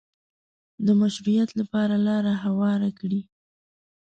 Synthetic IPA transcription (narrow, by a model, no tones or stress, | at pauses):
d̪əmaʃɾujat̪lapɑɾalɑɾaɦawɑɾakɽi